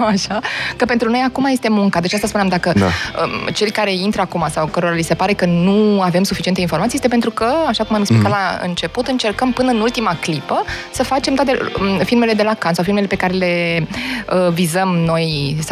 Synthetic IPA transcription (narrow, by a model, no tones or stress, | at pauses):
aʃakəpent̪ɾuno̞jakumaje̞st̪e̞muŋkad̪e̞t͡ʃast̪aspuneamd̪akəd̪̰ə̰t͡ʃe̞lʲkaɾe̞int̪ɾəakumasawkəɾo̞ɾalise̞paɾe̞kənuavemsufit͡ʃient̪einfo̞ɾmat̪ijest̪epe̞nt̪ɾukəaʃakumameksplikat̪laɨ̰nt͡ʃe̞put̪ɨnt͡ʃe̞rkəmpɨnəɨnult̪imaklipəsəfat͡ʃemt̪at̪efilme̞le̞d̪e̞lakansawfilmele̞pe̞kaɾe̞le̞ | əvizəmno̞js